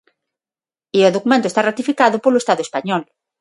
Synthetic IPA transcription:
ioðokumẽnt̪oest̪arat̪ifikaðopoloest̪aðoespaɲɔl

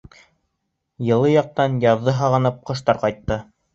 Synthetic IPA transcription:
jɤ̆lˠɤjɑq̚t̪ɑnjɑðːɤɦɑʁɤ̆nɤp̚qɤ̆ʃt̪ɑɾqɑjt̪ːɤ

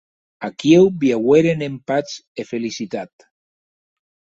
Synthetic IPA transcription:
akiewbjaɣweɾenempat͡sefelisit̪at̪

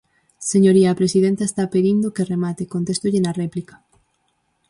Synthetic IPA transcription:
seɲoɾiaːpɾesiðent̪aest̪apeðind̪ʊkeremat̪ekont̪est̪ʊʎɪnarɛplikɐ̥

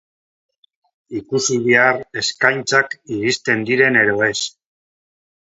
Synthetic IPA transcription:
ikusiβiare̞skajnt͡sakiɾist̪e̞nd̪iɾe̞ne̞ɾo̞e̞s

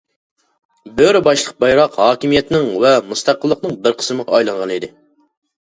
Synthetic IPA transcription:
bøɾɪbɑʃlˠəq̚bɑjɾɑqhɑːkʲimijɛt̪nɪŋwɛmust̪ʰɑqːəlˠːəqnɨŋbɪɾqʰə̥sməʁɑɑjlˠɨnʁɑnid̪ɪ

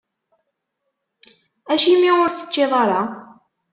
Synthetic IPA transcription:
æʃimːiʊɾθə̥t͡ʃːeðˤɑɾˤɑ

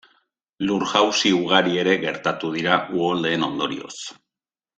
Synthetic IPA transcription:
luɾɣawsiuɣ̞aɾie̞ɾe̞ɣe̞ɾt̪at̪uðiɾaʔuold̪e̞ːno̞nd̪o̞ɾḭo̞̰s

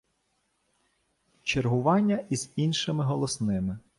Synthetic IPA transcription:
t͡ʃerɦʊʋɑnʲːɐʔizinʃɪmɪɦɔlˠɔsnɪmɪ

